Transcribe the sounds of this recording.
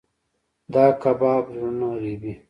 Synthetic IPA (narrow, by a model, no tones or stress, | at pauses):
d̪aːkɐbaːbɾɾunaɾibi